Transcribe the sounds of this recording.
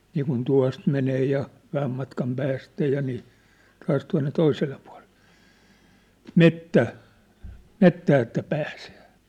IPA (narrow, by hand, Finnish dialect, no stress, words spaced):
niːkun tuɑ̝st meneː jɑ ʋæhæm mɑtkɑm pæːstæ jɑ niː tɑːs tuɑ̝nːe toiselːe puɑ̝lel̥ːe̥ metːæˑ metːæː etːæ pæːse̥ː